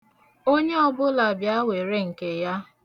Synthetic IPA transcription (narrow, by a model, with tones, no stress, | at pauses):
o˦ɲe˦ɔ˦bʊ˦la˨bja˦we˨ɾe˦ŋ̩˨ke˨ja˦